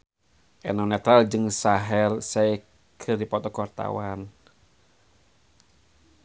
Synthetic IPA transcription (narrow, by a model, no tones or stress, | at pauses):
ʔɛ̰nɔnɛt̪ɾald͡ʒɨŋsaɦɛlsɛi | kʰɨrdipɔt̪ɔkɔrt̪a̰wan